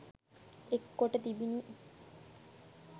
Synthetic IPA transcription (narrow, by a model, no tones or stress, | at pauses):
ekːoʈət̪ibini